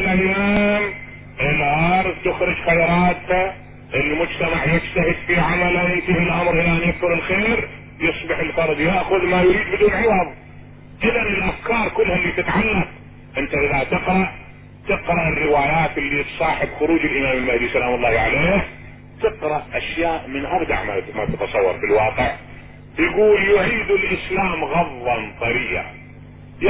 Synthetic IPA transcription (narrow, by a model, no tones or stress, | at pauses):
lʔajːaːm | ʔɪlʔɑɾˤðt̪ʊxɾˤɨd͡ʒxajɾˤɑːt̪ha | ʔɪlmʊd͡ʒt̪amaʕjɪd͡ʒt̪aɦɪd̪fiʕamalʔawʔɪnt̪ihɪlʔamɾʔɪlaʔanjaðkʊɾɪlxeːɾ | jɨsˤbɪħɪlfɑɾˤd̪ˤjaʔxʊðmajʊɾiːd̪̚bɪd̪uːnʕɪwɑðˤ | ʔɪðanɪlʔafkɑːɾˤkʊlːhalːiːt̪ɪt̪ʕalːaq | ʔɪnt̪aʔɪðat̪ɪqɾɑʔ | t̪ɪqɾˤɑʔɪrːɪwaːjaːt̪ɪlːit̪sˤɑːħɪbxʊɾuːd͡ʒɪlʔɪmaːmɪlmahd̪isalaːmʊlˤːɑːhʕaleːh | t̪ɪqɾɑʔʔaʃjaːʔmɪnʔabd̪a̰ʕmamat̪at̪ɑsˤɑwːɑ̰ɾˤfilwɑːqɪʕ | jɡuːljʊʕiːd̪ɪlʔɪslaːmɣɑðˤːɑnt̪ˤɑɾiːʔa̰ | j